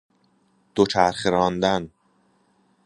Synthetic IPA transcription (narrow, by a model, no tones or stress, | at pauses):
d̪̥ot͡ʃʰæɾχeɾɒːnd̪æn